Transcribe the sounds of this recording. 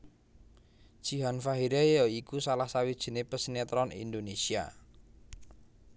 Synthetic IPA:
d̥ʒ̥i̤ɦanfaɦiɾejɔikusalahsawid̥ʒ̥ə̤nepəsnet̪ɾɔnḭnd̪onesia̰

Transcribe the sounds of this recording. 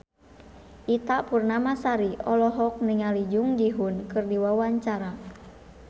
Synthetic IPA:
ʔit̪apurnamasaɾiʔɔlɔɦɔk̚niŋalid͡ʒuŋd͡ʒiɦunkɨrdiwawaɲt͡ʃaɾa

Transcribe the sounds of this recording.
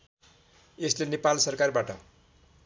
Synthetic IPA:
eslenepalsʌrkarbaʈʌ̰

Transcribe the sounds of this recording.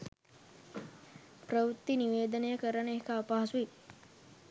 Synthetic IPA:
pɾəʋut̪ːiniʋeːd̪ənejəkəɾəɳəekaːpaɦɐsui

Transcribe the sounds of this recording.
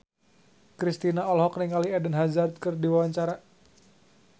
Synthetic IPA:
kɾist̪inaɔlɦɔk̚niŋaliɛdənɦazard̪̚kərdiwawaɲt͡ʃaɾa

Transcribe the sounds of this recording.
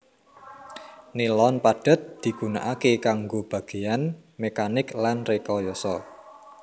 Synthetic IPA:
nilɔnpaɖ̥ə̤t̪̚d̪̥i̤ɡ̥una̰ʔakekaŋɡob̥a̤ɡ̥e̤anmekanɪklanrekɔjɔsɔ

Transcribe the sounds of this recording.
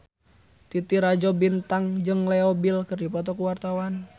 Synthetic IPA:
t̪it̪iɾad͡ʒɔbint̪aŋd͡ʒɨŋlɛɔbilkɨrdipɔt̪ɔkuwart̪awan

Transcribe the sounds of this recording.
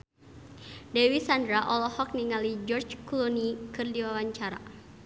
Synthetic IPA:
dɛwisandɾaʔɔlɔhɔk̚niŋalid͡ʒɔrt͡ʃkulɔnikɨrdiwawaɲt͡ʃaɾa

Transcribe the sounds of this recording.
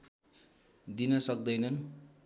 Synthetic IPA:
d̪inʌsʌk̚d̪ʌjnʌn

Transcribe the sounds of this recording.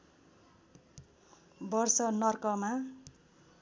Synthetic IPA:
bʌrsʌnʌrkʌma

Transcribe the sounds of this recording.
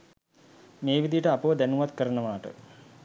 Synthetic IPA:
meːʋid̪ijəʈəapəʋəd̪ænuʋat̪kəɾənəʋaːʈə̰

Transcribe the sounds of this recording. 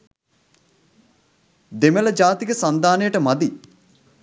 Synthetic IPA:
d̪emelɐd͡ʒaːt̪ikəsand̪aːnəjəʈəmad̪i

